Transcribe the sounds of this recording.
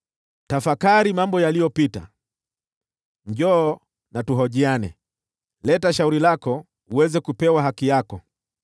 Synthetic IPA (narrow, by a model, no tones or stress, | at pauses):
tafakaɾimambɔjalijɔpita̰ | m̩ʄɔː | natuɦɔʄianɛ̰ | lɛtaʃauɾilakɔ | uwɛzɛkupɛwaɦakijakɔ